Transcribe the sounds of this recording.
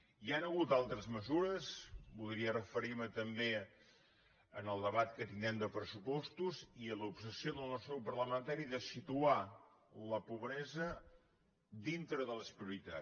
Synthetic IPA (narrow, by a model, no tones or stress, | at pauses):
ianəɣut̪alˠt̪ɾəzməzuɾəspuðɾiərəfəɾiɾmət̪əmbe | ə̰nəlˠd̪əβat̪kət̪ind̪ɾɛmd̪əpɾəsupɔst̪uziələupsəsioðəlˠnɔst̪ɾəwpərləmənt̪aɾiðəsit̪ua | ləpuβɾɛzə | d̪int̪ɾəðələspɾiuɾit̪a̰